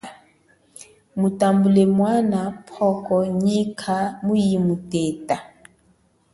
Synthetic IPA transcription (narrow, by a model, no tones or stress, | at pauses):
mutambulɛmwanapʰɔkɔɲikʰamujimutɛta